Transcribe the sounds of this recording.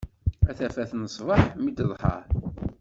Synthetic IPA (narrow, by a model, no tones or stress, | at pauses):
æθæfæθnəsˤvəħmid̪əðˤħə̰ɾˤ